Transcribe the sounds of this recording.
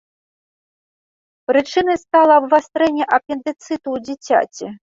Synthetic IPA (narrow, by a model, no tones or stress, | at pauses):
pɾɨt͡ʂɨnɐjst̪alˠɐːbvast̪ɾɛnʲːɛʔɐpʲɛnt̪ɛt̪sɨt̪uwd͡zʲit͡sʲa̰t͡sʲi